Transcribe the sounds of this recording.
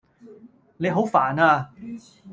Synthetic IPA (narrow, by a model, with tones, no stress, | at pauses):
ne˨˧jɦo˨˥wfaː˨˩naː˧